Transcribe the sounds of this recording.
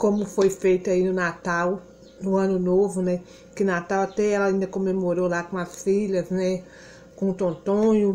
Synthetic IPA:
kõmʊfojfejt̪ʊainʊnat̪aw | nũɐ̃nʊnovʊnɛ | kɪnat̪awat̪ɛɛlɐaĩnd̪ɐkõmemoɾolakõɐsfiʎɐznɛ | kõt̪õt̪õɲʊ

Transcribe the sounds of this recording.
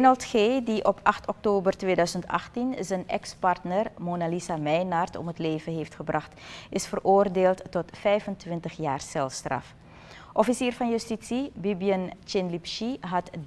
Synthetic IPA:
ɛnəlˠtχeːdiʔɔpʰɑχtɔk̚toːbərtʋeːdœɥzəntɑ̰χtinzənʔɛ̰kspɑrtnərmonalisamɛjnɑrtɔ̰mətleːjvənɦeːftχəbrɑχtɪsfərʔoːrdeːlˠtːɔtfɛjvəntʋɪntəχjaːrsɛlˠfstrɑ̰f | ʔɔfisiːrvɑnjystisibibiənt͡ʃɪnlipʃiɦɑt

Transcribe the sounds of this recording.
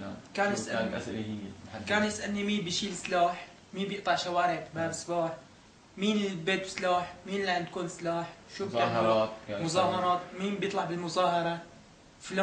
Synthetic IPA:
kaːnjɪsʔaʔ | kaːnjɪsʔanːimiːnbɪʃiːlɪslaːħ | miːbjɪʔt̪ˤɑʕʃawaːɾɪʕʔbaːbɪsˤbaːħ | miːnɪlbeːt̪wɪ̥slaːħmiːnlaʕɪnt̪̚kuːnɪslaːħʃuːbaːt̪ːmʊzˤɑːhɑɾˤɑːt̪miːnbjɨt̪ˤlɑʕbɪlmʊzɑːhɑɾˤɑ | fla

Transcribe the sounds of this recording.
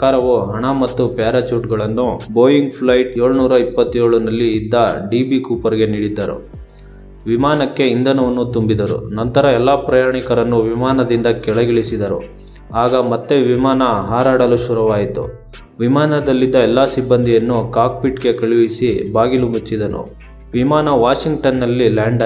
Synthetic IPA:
ɐkaːɾɐʋuɦɐɳɐmɐt̪ːupjaːɾɐt͡ʃuːʈɡɐɭɐnːuboːjiŋɡpʰlɐjʈeːɭunuːɾɐipːɐt̪ːjoːɭunɐlːiːd̪ːɐɖiːbikuːpɐɾɡe̞niːɽid̪ːɐɾṵ | ʋimaːnɐkːe̞ind̪ʱɐnɐʋɐnːut̪umbid̪ɐɾṵnɐnt̪ɐɾɐɛlːaːpɾɐjaːɳikɐɾɐnːuʋimaːnɐd̪ind̪ɐkɛɭɐɡiɭisid̪ɐɾṵ | aːɡɐmɐt̪ːe̞ʋimaːnɐɦaːɾaːɽɐluʃuɾuʋaːjit̪ṵ | ʋimaːnɐd̪ɐlːid̪ːɐɛlːaːsibːɐnd̪ʱijɐnːukaːk̚piʈɡe̞kɐɭiʋisibaːɡilumut͡ʃːid̪ɐnṵ | ʋimaːnɐʋaːʂiŋɡʈɐnːɐlːilaːɳɖ

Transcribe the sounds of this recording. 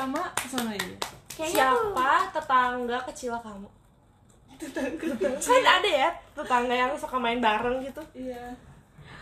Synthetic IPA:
amakəsanaitusiapat̪ət̪aŋɡakət͡ʃilakamu | adaːdajat̪ət̪aŋɡajaŋsokamaɪnbaɾəŋɡit̪uja

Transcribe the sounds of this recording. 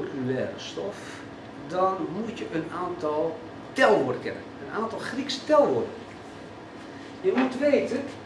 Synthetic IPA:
lkʰylɛːɾə̰stɔf | dɔnmutjəʔənaːntʰɔlˠ | tɛlˠʋoədəkɛ̰nə̰nənaːntɔlˠxrikstɛlˠʋoədən | jəmutʋeːtə

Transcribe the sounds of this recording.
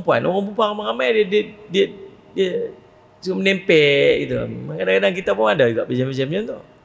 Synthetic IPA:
mpua̰no̰ɣaŋp̬umpuaŋamaŋamadiədiədiə | diə | sukamənɛmpɛʔɡit̪umakadaŋkadaŋk̬it̪apʊŋadad͡ʒuɡaʔpəd͡ʒaməd͡ʒamɲat̪uh

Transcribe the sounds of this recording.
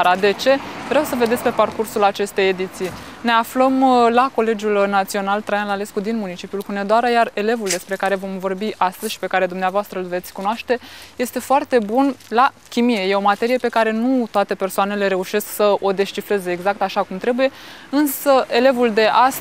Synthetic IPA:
ɾad̪e̞t͡ʃe̞vɾeawsəved̪esʲpe̞parkursulat͡ʃe̞st̪e̞je̞d̪it̪sijne̞afləmlako̞le̞d͡ʒulnat̪sio̞nalt̪ɾajanlale̞skud̪inmunit͡ʃipjulkune̞d̪oaɾəjare̞le̞vuld̪e̞spɾe̞kaɾe̞vo̞mvo̞rbiʔast̪əz̥ʲʃi̥pe̞kaɾe̞d̪umneavoast̪ɾəɨlve̞t̪sʲkunoaʃt̪e̞je̞st̪e̞foart̪e̞bunla | kʲimije̞je̞o̞mat̪e̞ɾije̞pe̞kaɾe̞nut̪oat̪e̞pe̞rsoane̞le̞ɾe̞uʃe̞sksəo̞d̪e̞ʃt͡ʃifɾe̞ze̞ːɡzak̚t̪aʃakumt̪ɾe̞buje̞ɨnsəʔe̞le̞vuld̪e̞ʔas

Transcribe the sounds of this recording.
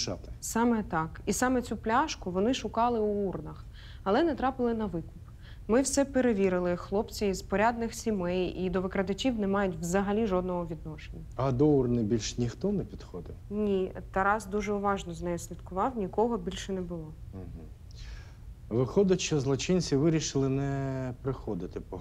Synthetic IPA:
ʃɑ̰t̪ɪ̥sɑmɛt̪ɑkisɑmɛt͡sʲuplʲaʃkʊʋɔnɪʃʊkɑlˠɪuurnɐx | ɐlˠɛnɛt̪ɾɑpɪlˠɪnɐʋɪkʊp | mɪwsɛpeɾeʋʲiɾɪlˠɪxlˠɔpt͡sʲiizpɔɾʲad̪nɪxsʲimɛjid̪ɔʋɪkɾɐd̪ɐt͡ʃʲiwnɛmɑjʊtʲʋzɐɦɐlʲiʒɔd̪nɔɦɔʋʲid̪̚nɔʃenʲːɐɐd̪ɔurnɪbʲilʲʃnʲixt̪ɔnɛpʲid̪xɔd̪ɪnʲit̪ɐɾɑzd̪uʒɛʊʋɑʒnɔznɛjɔsʲlʲid̪kʊʋɑwnʲikɔɦɔbʲilʲʃɛnɛbʊlˠɔɦ̩ | ʋɪxɔd̪ɐt͡ʃɐzlˠɔt͡ʃɪnʲt͡sʲiʋɪɾʲiʃɪlˠɪnɛpɾɪxɔd̪ɪt̪ɪpɔ

